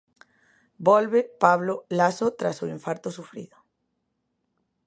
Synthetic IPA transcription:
bɔlβepaβlolasot̪ɾa̰sʊiɱfaɾt̪ʊsufɾḭðʊ

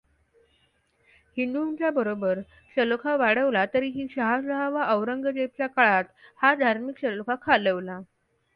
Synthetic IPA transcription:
hind̪unt͡ɕjabəɾobəɾ | ɕəlokʰaʋaɽəʋlat̪əɾiːɦiːɕəɦasəɦaʋaʔəʋɾəŋɡəd͡ʑep̚t͡ɕjakaɭat̪had̪ʱaɾmikɕəlokʰakʰaləʋla

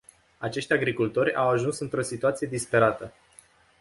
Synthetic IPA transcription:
at͡ʃe̞ʃt̪ʲaɡɾikult̪o̞ɾʲa̰waʒunsɨnt̪ɾo̞sit̪uat̪sijed̪ispe̞ɾat̪ə

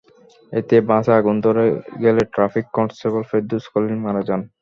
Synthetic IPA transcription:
et̪ebãsaɡund̪oɾeɡeleʈɾafikːɔnʈsʈebolfed̪uskolinmanad͡ʑɔn

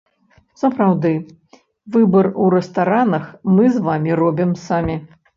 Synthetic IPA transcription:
sɐpɾawd̪ɨ | vɨbɐruɾɛst̪aɾanɐxmɨzvamʲiɾɔbʲimsamʲi

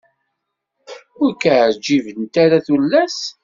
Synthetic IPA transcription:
ʊɾkad͡ʒivənt̪æɾaθulːæs

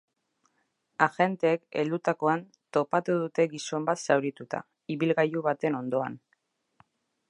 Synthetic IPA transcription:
axe̞nt̪e̞ːkḛld̪ut̪ako̞an | t̪o̞pat̪uðut̪e̞ɣiso̞mbat̪sawɾit̪ut̪a̰ | iβilɣajuβat̪e̞no̞nd̪o̞a̰n

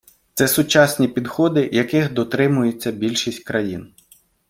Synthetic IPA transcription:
t̪sɛsʊt͡ʃɑsʲnʲipʲid̪xɔd̪ɪjɐkɪxd̪ɔt̪ɾɪmʊjet͡sʲːɐbʲilʲʃisʲtʲkɾɐjin

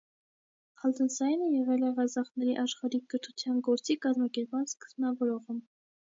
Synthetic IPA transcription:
hɑld̪ənsɑjnəjɛʁɛlɛʁɑzɑχnɛɾiʔɑʃχɑɾikəɾt̪ʰut͡sʰjɑnɡɔɾt͡sikɑzmɑkɛɾpmɑnskə̥zbnɑvɔɾɔʁəm

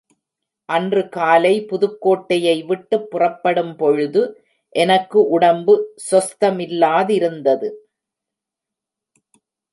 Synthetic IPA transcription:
ʔɐndrɯkaːlɐɪpʊðɯkːoːʈːɐjɐɪʋɪʈːɯpːʊrɐpːɐɽɯmpɔɻɯðɯ | ʔɛnɐkːɯʔʊɽɐmbɯsɐst̪ɐmɪlːaːðɪɾɯnd̪ɐðɯ

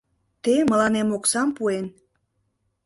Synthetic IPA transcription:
t̪emə̆lɑnemoksɑmpuen

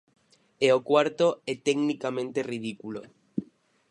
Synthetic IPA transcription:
eokwaɾt̪oet̪eɡnikamẽnt̪erið̞ikulo

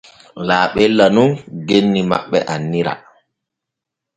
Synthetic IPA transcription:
laːɓɛlːanunɡenːima̰ɓːɛʔanːiɾa̰

